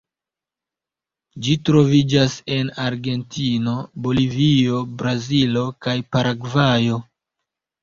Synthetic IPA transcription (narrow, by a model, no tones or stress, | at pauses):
d͡ʒitɾo̞vid͡ʒase̞naɾɡe̞ntʰino̞bo̞livio̞bɾazilo̞kajpaɾaɡvajo̞